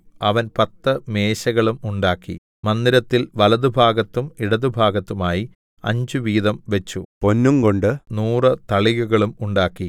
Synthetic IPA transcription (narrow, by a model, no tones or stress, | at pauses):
ɐʋɐnpɐt̪ːɨme̞ːɕɐɣɐɭumuɳɖaːkːḭ | mɐnd̪iɾɐt̪ːilʋɐlɐðubʱaːɡɐt̪ːumiɽɐðubʱaːɡɐt̪ːumaːji | ɐ̰ɲd͡ʑuʋiːðɐmʋe̞t͡ɕːupo̞nːumko̞ɳɖɨnuːrɨt̪ɐɭiɣuɣɐɭumuɳɖaːkːi